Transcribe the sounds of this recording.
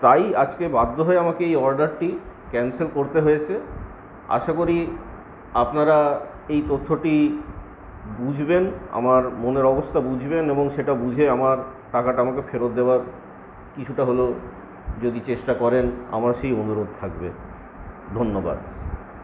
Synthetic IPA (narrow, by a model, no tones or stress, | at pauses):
t̪ajad͡ʑkebad̪ːoɦɔeamakeejɔɾɖaɾʈi | kɛnselkoɾt̪eɦojet͡ɕʰe | a̰ʃakoɾi | apnaɾa | ejt̪ot̪ʰːoʈi | bud͡ʑʱbena̰maɾmoneɾɔbost̪ʰabud͡ʑʱbeneboŋʃeʈabud͡ʑʱeamaɾ | ʈakaʈaamakefeɾot̪̚d̪ebaɾ | kit͡ɕʰuʈaɦolo | d͡ʑod̪it͡ɕeʃʈakɔɾena̰maɾʃejonuɾod̪̚t̪ʰakbe | d̪ʱonːoba̰d̪